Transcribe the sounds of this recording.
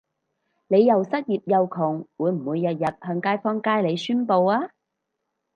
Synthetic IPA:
ne˨˧jːɐ˨wsɐ˥t̚jiː˨p̚jɐ˨˧wkʰʊ˨˩ŋwuː˨˧jm̩˨˩wuː˨˧jːɐ˨t̚jɐ˨t̚hœː˧ŋkaː˥jfɔː˥ŋkaː˥jle˨˧jsyː˥npo˧waː˥

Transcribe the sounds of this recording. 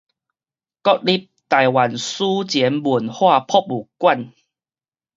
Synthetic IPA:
kɔ˦˥k̚li˦p̚t̪a˨jwa˨˩nsu˦t͡ɕjɛ˨˦nbu˨˩nhwa˥˧pʰɔ˦p̚u˨˩kwa˥˨n

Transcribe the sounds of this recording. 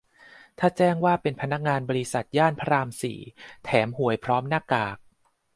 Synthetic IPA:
t̪ʰaː˥˩t͡ɕɛː˥˩ŋwaː˥˩pe˧npʰa˧na˦˥k̚ŋaː˧nbɔː˧ɾi˦˥sa˨˩t̪̚jaː˥˩npʰa˧ɾaː˧msḭː˩˦t̪ʰɛː˩˦mhu˨˩˦əjpʰɾɔː˦˥mnaː˥˩kaː˨˩k̚

